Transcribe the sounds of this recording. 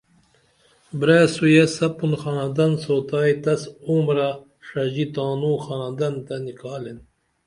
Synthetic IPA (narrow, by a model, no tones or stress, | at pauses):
bɾeːsujesɐpunxɑnand̪ɐnsoːt̪aːjt̪ɐsumɾa | ʂad͡ʑit̪ɑːnuːxɑːnand̪ɐnt̪anikʰɑːlen